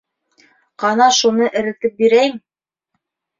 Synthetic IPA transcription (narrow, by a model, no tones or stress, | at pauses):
qɑnɑʃunɤʔɘ̆ɾɘ̆t̪ɘp̚biɾæjm